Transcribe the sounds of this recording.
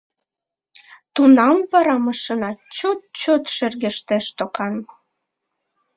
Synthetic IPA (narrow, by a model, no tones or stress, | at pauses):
t̪unɑmvɑɾɑməʃənɑt͡ɕot̪̚t͡ɕot̪ʃerɣeʃt̪eʃt̪okɑn